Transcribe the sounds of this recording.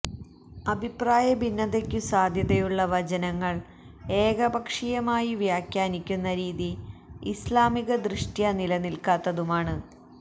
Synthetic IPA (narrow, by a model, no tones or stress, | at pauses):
ɐbʱipraːjɐbʱinːɐðekʲːusaːd̪ʱjɐðejuɭːɐʋɐd͡ʑɐnɐŋːɐɭ | e̞ːɡɐbʱɐkʂijɐmaːjiʋjaːkʲjaːnikʲːunːɐɾiːðiːslaːmiɣɐd̪rɨʂʈjɐnilɐnilkaːt̪ːɐðumaːɳɨ